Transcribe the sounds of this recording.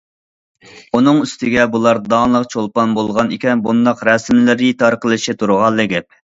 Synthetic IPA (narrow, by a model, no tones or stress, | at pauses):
unɨŋyst̪ʰɪɡʲɛbulˠɑɾd̪ɑlˠəqt͡ʃʰolˠpɑnbolˠʁɑnikʲɛnbund̪ɑqɾɛsmlɪɾɪt̪ʰɑɾqəlˠɨʃit̪ʰuɾʁɑlˠːɨɡʲɛp̚